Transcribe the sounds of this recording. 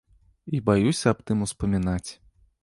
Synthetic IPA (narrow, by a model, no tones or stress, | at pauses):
ibajusʲɐːp̚t̪ɨmuspɐmʲinat͡sʲ